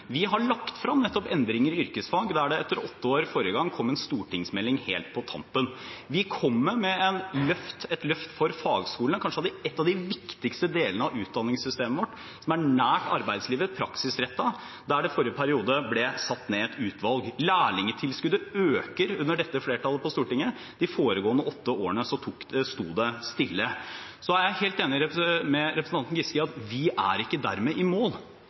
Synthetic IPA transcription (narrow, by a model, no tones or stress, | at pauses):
ʋɪɦɑɭɑkt̪fɾɑmnɛt̪ːɔpɛnd̪ɾɪŋəɾɪʏɾkəsfɑːɡd̪æɖɛɛt̪ːəɾɔt̪ːəoːɾfɔɾəɡɑŋːkʰɔmːɛnst̪uːʈʰɪŋsmɛlːɪŋhḛːlt̪̚pʰɔt̪ʰɑ̰mpənʋɪkʰɔmːəmɛɛnlœft̪ɛt̪lœft̪fɔɾfɑːɡskuːənkʰɑnʂəɑd̪ɪɛt̪ːɑʋd̪ɪʋɪkt̪ɪkst̪əd̪eːlənəɑʋʉːt̪̚d̪ɑnːɪŋssʏst̪eːməʋɔʈː | sɔmæɳæːʈɑ̰ɾbæɪd̪sliːʋəpʰɾɑksɪsɾɛt̪ːɑ | d̪æɖɛfɔɾjəpʰæɾɪuːd̪əblɛsɑt̪ːneːɛt̪ʰʉːt̪ʰʋɑlɡlæːɭɪŋət̪ʰɪlskʉd̪əøːkəɾʉnːəɖɛt̪ːəfleːʈʰɑlːəpɔst̪uːʈɪŋːə | d̪̥ɪfoːɾəɡoːənəʔɔt̪ːəoːəɳəsɔt̪ʰukst̪ṵːd̪ɛst̪ɪlːəsɔæɾjæɪheːlt̪eːnɪɾɛpɾmɛɾɛpɾsn̩ɑnt̪n̩ɡɪskɪɑt̪ʋɪʔæ̰ɾɪkːəd̪æ̰ɾmɛʔɪmoːl